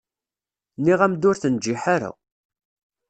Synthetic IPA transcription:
niʁæmd̪ʊɾθənd͡ʒːiħaɾa̰

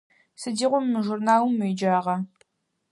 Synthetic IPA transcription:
sɨdiːʁʷʊmːɨʒurnaːwʊmːɨjd͡ʒaːʁɐ

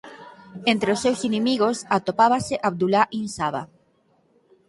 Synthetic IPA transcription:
ent̪ɾeosːewsinemiɣosat̪opaβaseʔaβ̚d̪ulaʔinsaβa̰

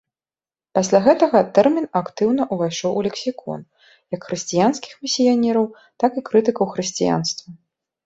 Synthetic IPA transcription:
pasʲlʲaɣɛt̪ɐɣɐt̪ɛrmʲinakt̪ɨwnɐʔuvajʂɔwulʲɛksʲikʰɔ̰n | jɐkxɾɨsʲt͡sʲijanskʲi̥xmʲisʲijanʲɛɾɐw | t̪akɨkɾɨt̪ɨkɐwxɾɨsʲt͡sʲija̰nst̪vɐ

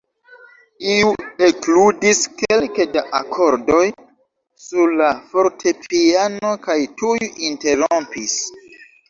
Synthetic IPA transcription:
iuekludiske̞lkedaʔakʰo̞ɾdo̞j | suɾlafo̞ɾtʰe̞pʰiano̞kajtujuʔinte̞ɾompis

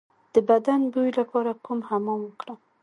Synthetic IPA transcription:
d̪̥əbad̪anbujlapɑɾakumhamɔmwəkɽa

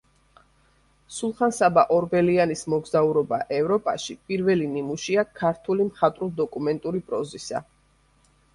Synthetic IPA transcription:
sulˠχansabaʔɔɾbɛlianismɔɡzauɾɔbaʔɛvɾɔpʼaʃipʼiɾvɛlinimuʃiakʰaɾt̪ʰulimχat̪ʼɾulˠd̪ɔkʼumɛnt̪ʼuɾipʼɾɔzisa̰

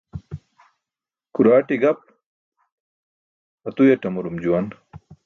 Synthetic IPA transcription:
kuɾaːʈiɡɐp | ɐt̪ujɐʈɐmuɾumd͡ʑuwɐn

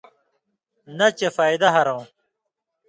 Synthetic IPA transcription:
nɐt͡ɕefaːjd̪ɐɦɐɾõw̃

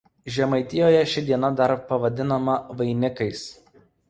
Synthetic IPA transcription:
ʒʲɛmɐɪt̪ʲɪjoːjɛʃʲɪd̪ʲiɛnɐd̪ɐɾpɐʋɐd̪ʲɪnɐmɐʋɐɪnʲɪkɐɪs

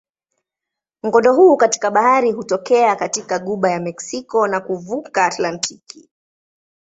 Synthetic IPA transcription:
m̩ɡɔndɔɦuːkati̥kaɓahaɾiɦutɔkɛakatikaɠuɓajamɛksikɔnakuvukaːtlantʰiki

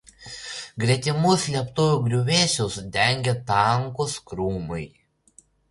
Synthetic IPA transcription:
ɡɾʲɛt̪ʲɪmʊslʲiɛpt̪ʊʋʲuːɡɾʲʊʋʲeːsʲosd̪ʲɛˑŋʲɡʲɛt̪ɑŋkoskɾuːmɐɪ

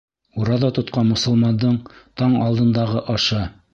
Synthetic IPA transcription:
uɾɑðɑt̪ŏt̪̚qɑnmŏsɤ̆lˠmɑnd̪ɤɴt̪ɑɴɑlˠd̪ɤ̆nd̪ɑʁɤʔɑʃɑ

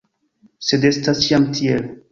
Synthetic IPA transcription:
sedestasjamtʰiel

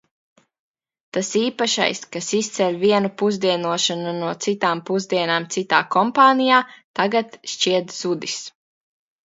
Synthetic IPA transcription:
t̪asiːpaʃa̰jskasist̪sɛlʲviɛnupuzd̪iɛnuɔʃanunuɔt̪sit̪aːmpuzd̪iɛnaːmt̪sit̪a̰ːkɔmpaːnijaːt̪aɡat̪ʃt͡ʃiɛt̪z̥ud̪is

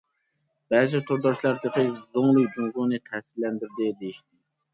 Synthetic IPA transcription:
b̥ɛɾzɪt̪ʰuɾd̪ɑʃlˠɑɾd̪əqʰəzoŋlˠʊkd͡ʒuŋʁunɨt̪ʰɛsɪɾlɛnd̪ɪɾd̪ɪd̪ejiʃt̪ɪ

